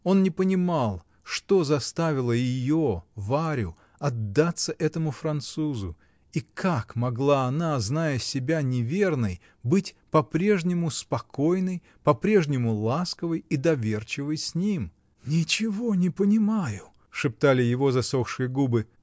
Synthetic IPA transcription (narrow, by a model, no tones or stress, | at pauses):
o̞nnʲɪpənʲɪmalˠ | ʂt̪o̞zɐst̪avʲɪlˠəjɪjovaɾʲʊ̰ | ɐd̪ːat̪səʔɛt̪əmʊfɾɐnt̪suzʊ̰ | ikʰakmɐɡlˠaɐnaznajəsʲɪbʲanʲɪvʲe̞rnəj | bɨtʲ | pɐpɾʲe̞ʐnʲɪmʊspɐkʰo̞jnəj | pɐpɾʲe̞ʐnʲɪmʊlˠaskəvəjid̪ɐvʲe̞rt͡ɕɪvəjsʲnʲim | nʲɪt͡ɕɪvo̞nʲɪpənʲɪmajʊ | ʂɨp̚t̪alʲɪjɪvo̞zɐso̞xʂɨjəɡubɨ